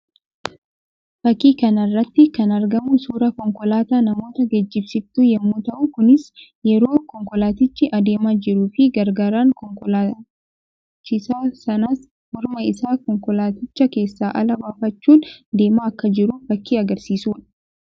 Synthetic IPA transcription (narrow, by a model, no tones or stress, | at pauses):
fɐkːiːkɐnɐrːɐt̪ːɪkɐnɐɾɡɐmusuːɾɐkɔŋkɔlaːt̪aːnɐmo̞ːt̪ɐɡɛd͡ʒːɪbsɪbt̪ujɛmːuːt̪ɐʔukʊnɪs | jɛɾo̞ːkɔŋkɔlaːt̪ɪt͡ʃːɪʔɐd̪e̞ːmaːd͡ʒɪɾuːfɪɡɐɾɡaːɾaːŋkɔŋkɔlaː | t͡ʃːɪsaːsɐnɐs | mʊɾmɐɪsaːkɔŋkɔlaːt̪ɪt͡ʃːɐke̞ːsːaːʔɐ̰lɐbaːfɐt͡ʃːuːnd̪e̞ːmaːɐkːɐd͡ʒɪɾuːfɐkːiːɐɡɐɾsiːsuːᶑɐ̥